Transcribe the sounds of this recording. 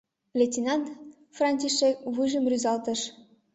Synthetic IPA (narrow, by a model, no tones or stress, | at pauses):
lʲetʲinɑnt̪ | frɑnʲt̪ʲiʃek̚βɯʒə̆mrʲyzɑlt̪ɤ̆ʃ